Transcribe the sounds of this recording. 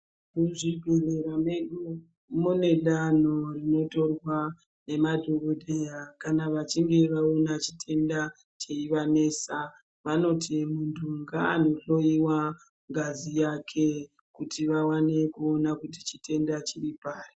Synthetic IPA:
kuʐiɡʱereɾameɗu | mune̞ɗan̤orino̞to̞rwa | ne̞madʱo̞ɡodʱejakanaʋat͡ʃiŋɡe̞ʋaonat͡ʃi̥tʰe̞nda | t͡ʃe̞iʋane̞sa | ʋano̞tʰimuntʰuŋɡaːno̞ɬo̞jiwa | ŋɡazijakʰe | kutiʋawane̞kuo̞nakuti̥t͡ʃite̞ndat͡ʃiripaːri

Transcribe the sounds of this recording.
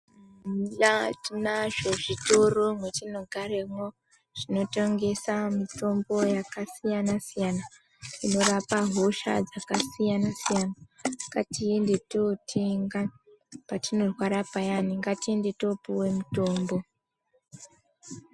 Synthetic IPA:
lainaʐeʐito̞ro̞mwe̞tino̞ɡʱaɾemo | ʐ̥ino̞toŋɡe̞samito̞mbo̞jakasijanasijana | ino̞rapaɦo̞ʃa̰d͡zakasijanasijanaŋɡatiende̞totʰeŋɡapatino̞rwaɾapajaniŋɡatiende̞to̞puwe̞muto̞ːmbo̞

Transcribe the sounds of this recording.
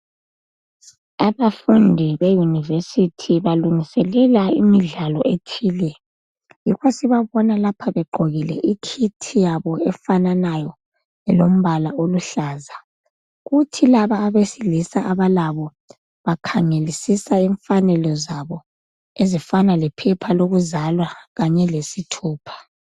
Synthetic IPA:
aβafundʱiβejunivesitʰiβaluŋisɛlɛlaḭmiɮalɔ̰ʔetʰiːlɛ | jikʰosiβaβɔnalapʰaβɛɡ͡ǃʱoɣilɛ̰ʔikʰitʰijaβɔɛfananajɔ | ɛlom̩βalaoluɬaːza | ɣutʰilaβaːβesilisaʔaβalaβɔ | βakʰaŋelisisaiɱfanɛlɔzaβɔ | ezifanalɛpʰɛpʰaloɣuzalwaɣaɲɛlesitʰuːpʰḁ

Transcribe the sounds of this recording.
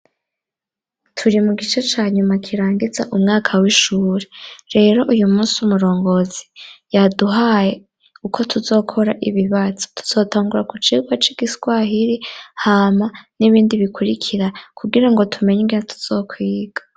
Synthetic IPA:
tʰuɾimuɡit͡ʃe̞t͡ʃaːɲumakʰiɾaːŋɡiza̰ʔumŋaːkʰawiʃuːɾeɾe̞ːɾo̞ʔujumuːsiumuɾo̞ːŋɡo̞zijaduɦaːje̞ | ukʰo̞tʰuzo̞ːkʰo̞ɾa̰ʔiβiβat͡so̥tʰu̥z̥o̞ːtaːŋɡuɾakut͡ʃiːɡwat͡ʃiɡ̥isɡ̥waɦiɾihaːmaniβiːndiβikuɾikʰiɾakʰuɡiɾaŋɡo̞tʰume̞ɲiŋɡinatʰu̥z̥o̞ːkwiːɡ̥ḁ

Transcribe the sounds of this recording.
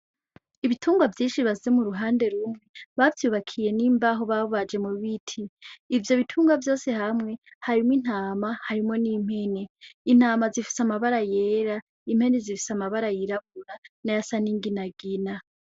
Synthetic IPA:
iβitʰuːŋɡwavjiːnʃiβazemuɾuɦaːnde̞ɾumŋe̞βavjuːβakʰije̞niːmbaɦo̞βaβuβad͡ʒe̞muβitʰiːvjo̞βitʰuːŋɡwavjo̞ːse̞hamŋe̞ | haɾimwin̥haːmahaɾimo̞niːm̥he̞ne̞in̥haːmazifi̥samaβaɾaje̞ːɾa | im̥he̞nezifi̥samaβaɾajiɾaβuɾanajasaniːŋɡinaɡina

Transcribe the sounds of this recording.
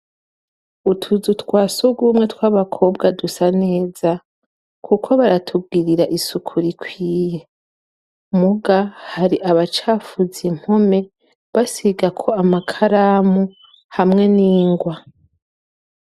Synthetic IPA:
utʰuzutwaːsuɡumŋe̞twaβakʰo̞bɡadusane̞ːz̥a | kʰukʰo̞βaɾatʰub̚ɡiɾiɾaʔisukʰuɾikʰwiːje̞ | muɡahaɾiʔaβat͡ʃaːfuzim̥home̞ | βasiɡakʰo̞amakʰaɾamu | hamŋe̞niːŋɡwa

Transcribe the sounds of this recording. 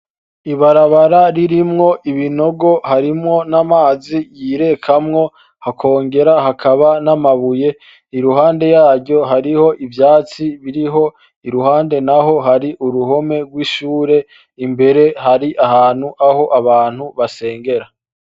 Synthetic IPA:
iβaɾaβaɾaɾiɾimŋo̞ʔiβino̞ɡo̞haɾimŋo̞namaːzijiːɾe̞kʰamŋo̞ | hakʰo̞ːŋɡe̞ɾahakʰaβanamaβuje̞ | iɾuɦaːnde̞jaːɾɟo̞ɦaɾiho̞ʔivjaːt͡siβiɾiɦo̞ | iɾuhaːnde̞naɦo̞ɦaɾiʔuɾuɦo̞me̞ɡwiʃuːɾe̞ | imbe̞ɾe̞haɾiʔahaːn̥huʔaho̞ʔaβaːn̥huβase̞ːŋɡe̞ɾa

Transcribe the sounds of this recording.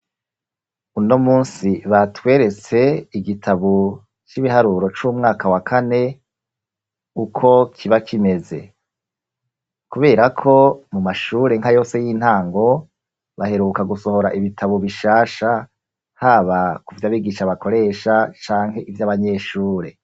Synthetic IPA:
uno̞muːnsiβatwe̞ːɾe̞t͡se̞iɡitʰaβo | t͡ʃiβiɦaɾuɾo̞t͡ʃuːmŋaːkawakʰane̞ | ukʰo̞kʰiβakʰime̞ze̞̰ | kuβe̞ːɾakʰo̞mumaʃuːɾe̞ŋajo̞ːse̞jiːn̥haːŋɡo̞ | βaɦe̞ɾuːkaɡuso̞ho̞ɾaʔiβitʰaβoβiʃaːʃa | haβakuvjaβiːɡiʃaβako̞ɾe̞ːʃat͡ʃaːŋɦe̞ʔivjaβaɲe̞ːʃuːɾe̞

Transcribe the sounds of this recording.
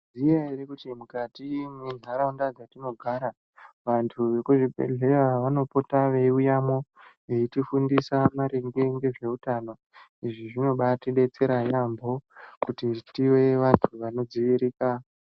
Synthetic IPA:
zijaerekutimukatimweɦaɾaundad͡zatino̞ɡʱaɾa | ʋantʰuʋe̞kuʐiɓḛɮe̞ʋaʋano̞po̞taʋe̞iujamo̞ | eitifundisamaɾeŋɡe̞ŋɡe̞ʐe̞utano̞ | iʐiʐino̞ɓatiɗe̞t͡se̞ɾajambo̞kutitiwe̞ʋantʰuʋano̞d͡ziʋiɾiːka

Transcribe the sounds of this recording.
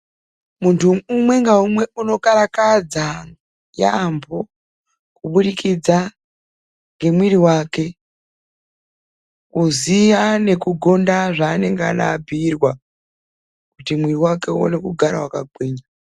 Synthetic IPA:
muntʰuːmwe̞ŋɡaumweuno̞kaɾakad͡za | jambʱo | kuɓuɗikid͡za | ŋɡe̞mwiɾiwaːke̞ | kuziane̞kuɡʱo̞ndaʐaːneŋɡea̰na̰ːbʱiːrwa | kutimwiɾiwakeo̰nekuɡʱaɾawakaɡʱwiːɲa

